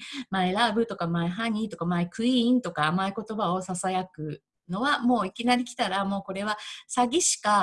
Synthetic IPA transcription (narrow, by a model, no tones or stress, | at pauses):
maeɾaːbɯ̟t̪o̞kamaeɦaɲ̟ĩt̪o̞kamaekɯ̟ĩnt̪o̞kaːmaeko̞t̪o̞bao̞sasajakɯ̟ | no̞βamo̞ːikʲinaɾʲikʲi̥t̪aɾamo̞ːko̞ɾe̞βasaɡʲiɕi̥ka